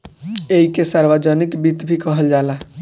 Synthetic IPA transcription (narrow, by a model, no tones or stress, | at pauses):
eɦikesaɾbəd͡ʒənikbit̪bʱikəɦəld͡ʒala